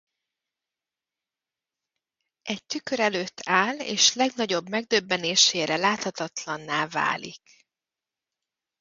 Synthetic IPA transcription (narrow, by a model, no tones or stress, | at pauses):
ɛɟ̚t̪ykø̞ɾɛløːt̪ʰːaːlḛːʃlɛɡnɒɟo̞bmɛɡ̚d̪øbːɛneːʃeːɾɛlaːt̪hɒt̪ɒt̪lɒnːaːva̰ːlḭk